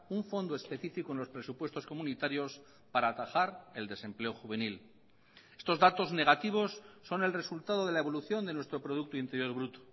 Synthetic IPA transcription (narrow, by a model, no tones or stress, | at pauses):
uɱfo̞nd̪oe̞spe̞θifikoenlo̞spɾe̞supwe̞st̪o̞sko̞mũnit̪aɾjo̞s | paɾaːt̪axaɾe̞ld̪e̞se̞mple̞oxuβe̞nil | e̞st̪o̞zðat̪o̞zne̞ɣ̞at̪iβ̞o̞sːo̞ne̞lre̞sult̪aðo̞ðe̞laeβo̞luθjo̞nd̪e̞nwe̞st̪ɾo̞pɾo̞ð̞uk̚t̪oint̪e̞ɾjo̞ɾβɾut̪o̥